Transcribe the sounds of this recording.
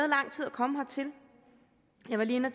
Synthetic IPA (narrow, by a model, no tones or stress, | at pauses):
ðˠlɑ̈ŋ̰t͡sʰið̞̰ˠɐkʰɒ̽məɦɑt͡sʰe̝l | jɑ̈ɪʋɑliːenɐt͡s